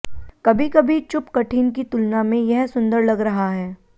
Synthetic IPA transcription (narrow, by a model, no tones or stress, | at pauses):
kɐbʱikɐbʱit͡ʃʊpkɐʈʰiːnk̬it̪ʊlnamẽjɛɦsʊ̃nd̪əɾlɐɡɾɐɦaɦɛː